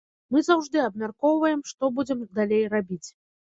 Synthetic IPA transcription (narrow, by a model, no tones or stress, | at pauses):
mɨzawʐd̪ɨɐbmʲarkɔwvɐjɛmʂt̪ɔbud͡zʲɛmd̪alʲejrabʲit͡sʲ